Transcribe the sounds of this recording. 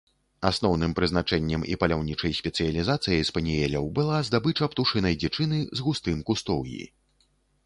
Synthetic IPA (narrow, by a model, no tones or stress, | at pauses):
asnɔwnɨmpɾɨzn̪at͡ʂɛnʲːɐmḭpɐlʲawnʲit͡ʂɐjsʲpʲɛt̪sɨjɐlʲizat̪sɨjɐjspɐnʲijɛlʲɐwbɨlˠazd̪abɨt͡ʂɐpt̪uʂɨnɐjd͡zʲɛt͡ʂɨnɨzɣust̪ɨmkust̪ɔwjḭ